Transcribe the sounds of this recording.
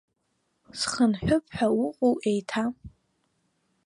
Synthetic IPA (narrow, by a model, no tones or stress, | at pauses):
sχənħʷʊpʰʼħawʊqʼowʔejtʰa